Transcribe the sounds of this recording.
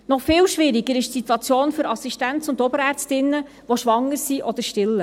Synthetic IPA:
nɔχfɪːlʃʋɪɾiɡəɾɪʃtsit̪wɑt͡sjoːnfʏɾɑsiʃtæntsʊndɔbəɾæɾt͡stɪnːə | ʋoʃʋɑŋːəɾsiʔɔd̥̪əɾʃtɪlːə

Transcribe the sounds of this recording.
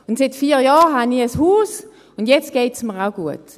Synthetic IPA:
ʊntsɪtfiːʁjɑːʁɦaniəshuːs | ʊndjɛt͡st̚ɡ̥eːtsməʁaʊɡuət

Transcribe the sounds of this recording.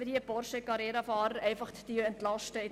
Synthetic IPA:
əhiəpɔrʃəkɑɾɛːɾɑfɑːɾəɾɛɪfɑχt̪d̥yɛntlɑʃtəɪ

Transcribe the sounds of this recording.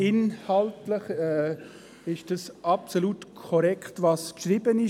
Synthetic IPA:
ɪnhaltləχɛː | ɪʃd̥ɑsapsoluːtkʰɔɾɛkχtvɑskʃʁiːbənɪ

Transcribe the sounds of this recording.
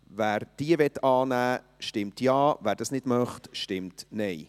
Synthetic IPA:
væːɾd̥iəvɛtːɑːnæː | ʃtɪmtjɑːvæːɾd̥ɑsnɪd̥mɑχtʃtɪmtnɛɪ

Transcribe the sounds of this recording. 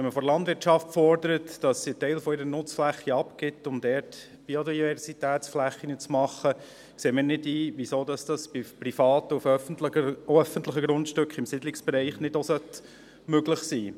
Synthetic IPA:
ʋɛnməfɔɾlɑndʋɪɾtʃɑftfɔɾdəɾətd̥ɑsiətɛɪlfɔɪɾənʊt͡sflæχːiɑpkɪtːʊmdɛːɾt | b̥iodivɛɾsitæːtsflæχːinət͡smɑχːə | kseːmənɪdiːʋisoːdɑsd̥ɑsb̥iprifɑːt̪əufœfəntləəœfənt̪ləχəɡɾʊntʃtʏkχɪmsidlɪksb̥ɛɾɛɪχnɪdosœt | møɡləχsiː

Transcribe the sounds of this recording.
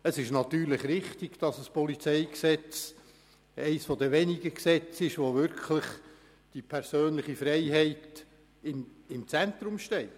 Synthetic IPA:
əsɪʃnɑt̪yːɾlɪχɾɪχtɪɡ̥d̥ɑsəspɔlit͡sɛɪksɛt͡s | ɛɪsfod̪əʋɛnɪɡəksɛt͡sɪʃʋoʋʏɾkʰlɪχ | d̥ipʰɛɾsøːnləχifɾɛɪɦɛɪt | ɪmɪmt͡sɛnt̪ɾʊmʃtɛɪ

